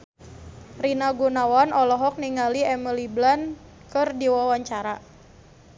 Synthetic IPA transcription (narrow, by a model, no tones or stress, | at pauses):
rinaɡunawanʔɔlɔɦɔk̚niŋaliɛməliblan | kɨrdiwawaɲt͡ʃaɾa